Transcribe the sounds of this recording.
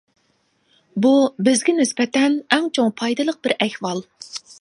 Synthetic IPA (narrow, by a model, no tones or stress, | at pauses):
bubɪzɡʲɪnɪspɛt̪ɛnɛŋt͡ʃʰoŋpʰɑjd̪ɨlˠəq̚bɪɾɛhwɑlˠ